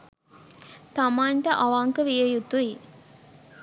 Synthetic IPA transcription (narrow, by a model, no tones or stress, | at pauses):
t̪amaːɳʈəʔaʋaŋkəʋijəjut̪ui